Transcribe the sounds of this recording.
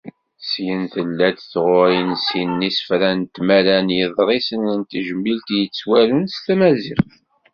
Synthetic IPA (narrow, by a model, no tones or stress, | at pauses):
sjənθəlːæd̪θʁʊɾjənsinːisə̥fɾænt̪mælænjəðˤɾˤisənənt̪ʒəmːilt̪jət͡sːwæɾənst̪æmæziʁθ